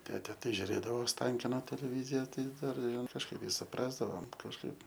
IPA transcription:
ˈtʲæːtʲɛ tɐɪ ʒʲʊˈrʲeːdɐʋoː oːsˈtɐŋʲkʲɪnoː tʲɛlʲɛˈʋʲiːzʲɪjɛ ˈtɐɪ ˈdɐr kɐʃˈkɐɪp ɪ sʊˈprɑːzdɐʋoːm kɐʃˈkɐɪp

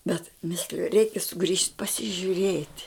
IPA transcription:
bʲɛt ˈmʲɪsʲlʲɪjʊ ˈrʲɛɪkʲɛ sʊˈɡrʲiːʃʲtʲ pɐsʲɪʒʲʊˈrʲeːtʲ

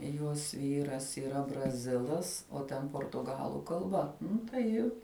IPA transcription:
ˈjuɔs ˈʋʲiːrɐs iːˈrɐ brɐˈzʲɪlˠɐs oː ˈtʲɛn poːrtʊˈɡɑːlˠʊ kɐlˠˈbɐ ˈnʊ tɐɪ jɪ

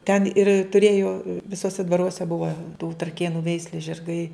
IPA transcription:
tʲɛn ɪr tʊˈrʲeːjoː ʋʲɪˈsuɔsʲɛ dʋɐˈruɔsʲɛ ˈbʊʋɐ tuː trɐˈkʲeːnʊ ˈʋʲɛɪsʲlʲeːs ʒʲɪrˈɡɐɪ

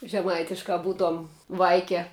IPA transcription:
ʒʲɛˈmɐɪtʲɪʃkɐ bʊtuɔm ˈʋɐɪkʲɛ

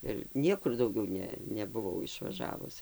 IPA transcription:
ɪr ˈnʲiɛkʊr dɐʊˈɡʲɛʊ ˈnʲɛ nʲɛbʊˈʋɐʊ ɪʃʋɐˈʒɑːʋʊs

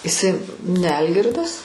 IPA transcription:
ɪˈsɐɪ nʲɛ ˈɐlʲɡʲɪrdɐs

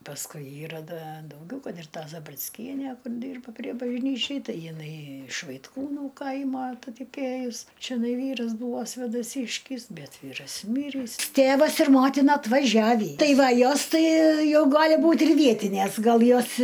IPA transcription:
pɐsˈkʊɪ ˈiːrɐ ˈdɐ dɐʊˈɡʲɛʊ ˈkɐt ɪr ˈtɐ zɐbʲrʲɪt͡sʲˈkʲiɛnʲæ ˈkʊr ˈdʲiːrbɐ pʲrʲiɛ bɐʒʲˈnʲiːt͡ʃʲɛɪ ˈtɐɪ jɪˈnɐɪ ɪʃ ʋɐɪtˈkuːnuː ˈkɐɪmoː ɐtɐtɐˈkʲeːjʊs t͡ʃʲɛˈnɐɪ ˈʋʲiːrɐs ˈbuːʋoː sʲʋʲeːdɐˈsʲiːʃʲkʲɪs ˈbʲɛt ˈʋʲiːrɐs ˈmʲiːrʲiːs ˈtʲeːʋɐs ɪr ˈmoːtʲɪnɐ ɐtʋɐˈʒʲæːʋʲiː ˈtɐɪ ˈʋɐ ˈjoːs ˈtɐɪ ˈjɛʊ ˈɡɑːlʲɪ ˈbuːtʲ ɪr ˈʋʲiɛtʲɪnʲeːs ˈɡɐlˠ ˈjoːs

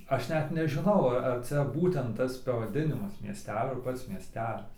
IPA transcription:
ˈɐʃ ˈnʲɛt nʲɛʒʲɪˈnɐʊ ɐ ɐr ˈt͡sʲɛ ˈbuːtʲɛnt ˈtɐs pɐʋɐˈdʲɪnʲɪmɐs mʲiɛˈsʲtʲæːlʲoː ɐr ˈpɐts mʲiɛˈsʲtʲæːlʲɪs

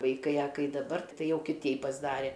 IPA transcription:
ʋɐɪˈkɐɪ ɐ ˈkɐɪ dɐˈbɐr ˈtɐɪ ˈjɛʊ kʲɪˈtʲɛɪ pɐzˈdɑːrʲɛ

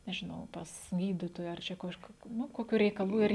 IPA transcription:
nʲɛʒʲɪˈnɐʊ ˈpɐs ˈɡʲiːdʲɪtoːjɛ ɐr ˈt͡ʃʲɛ ˈkɑːʃkʊ ˈnʊ ˈkoːkʲʊ rʲɛɪkɐˈlˠuː ɪr

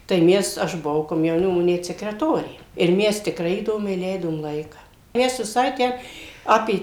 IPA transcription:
tɐɪ ˈmʲɛs ˈɐʃ bʊˈʋɐʊ koːmʲjɛʊˈnʲɪmoː ˈnʲɛt sʲɛkrʲɛˈtoːrʲeː ɪr ˈmʲɛs tʲɪkˈrɐɪ iːˈdoːmʲɛɪ ˈlʲɛɪdoːm ˈlˠɐɪkɐ ˈmʲɛs ʋʲɪˈsɐɪ ˈtʲæː ˈɑːpʲeː

